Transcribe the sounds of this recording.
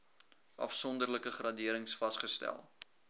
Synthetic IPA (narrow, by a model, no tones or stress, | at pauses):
ʔɐ̰fsɔndərləkəχrɐdiəɾəŋsfɐstχəstæ̰lˠ